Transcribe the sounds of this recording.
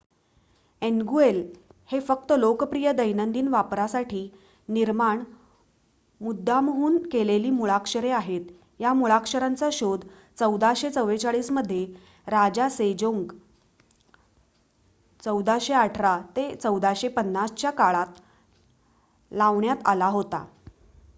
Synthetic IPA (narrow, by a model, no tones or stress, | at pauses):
enɡuelhefək̚t̪əlokəpɾijəd̪əjnənd̪iːnʋapɾasaʈʰiː | niɾmaɳ | mud̪ʱːamɦuːnkeleliːmuɭakʂəɾeaɦet̪ | jamuɭakʂəɾant͡saɕod̪ | t͡səwd̪ʱaɕet͡səʋet͡saɭiːsməd̪ʱːje | ɾad͡ʑased͡ʑoŋɡ | t͡səwd̪aɕeaʈʰɾat̪et͡səwd̪ʱaɕepənːast͡ɕjakaɭat̪ | laʋɳjat̪alaɦot̪a̰